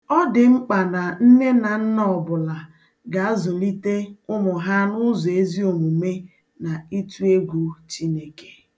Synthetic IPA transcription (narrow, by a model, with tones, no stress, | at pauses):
ɔ˦dɪ˨ŋ͡m̩˦k͡pa˨na˨n̩˦ne˦na˨n̩˦n˦ɔ˨bʊ˨la˨ | ɡa˨a˦zʊ˨li˦te˦ʊ˦mʊ˨ɦa˦nʊ˦zɔ˨e˦zi˦o˨mu˨me˦ | na˨i˦tu˦e˦ɡʷu˨t͡ʃi˦ne˦ke̥˨